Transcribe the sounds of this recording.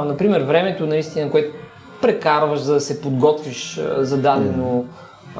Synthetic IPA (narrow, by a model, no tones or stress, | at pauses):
nɐpɾimɛɾvɾɛmɛt̪onɐist̪inɐkoɛt̪o | pɾɛkaɾvəʃzɐd̪ɐsɛpod̪ɡɔt̪viʃzɐd̪ad̪ɛno